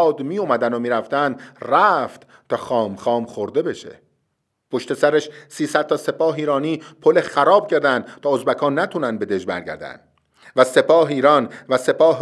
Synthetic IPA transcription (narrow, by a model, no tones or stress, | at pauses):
d̪miːjumæd̪ænomiːɾæft̪ænd̪ræft̪ | t̪ʰɒːxɒːmxɒːmχoɾd̪e̞be̞ʃḛ | pʰoʃt̪e̞sæɾæʃsiːsæd̪̥̚t̪ɒse̞pɒːɦiːɾɒːniːpʰolexæɾɒːb̥̚cʰeɾd̪ænd̪̥t̪ʰɒːozbækʰɒːnːæt̪ʰuːnæn̚be̞d̪e̞d͡ʒbæ̰ɾɟæ̰ɾd̪æ̰nd̪̥ | væse̞pʰɒːɦeiːɾɒːnvæse̞pɒːɦ